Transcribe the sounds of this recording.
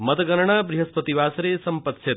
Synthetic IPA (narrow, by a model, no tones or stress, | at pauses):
mɐt̪ɐɡɐɾɳ̃aːbɾiɦɐspɐt̪iʋaːsɾesɐmpɐt̪set̪